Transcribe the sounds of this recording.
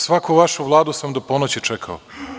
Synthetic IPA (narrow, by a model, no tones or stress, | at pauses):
sʋakuʋaʃuʋlˠaːd̪usamd̪oponot͡ɕet͡ʃekʰao̰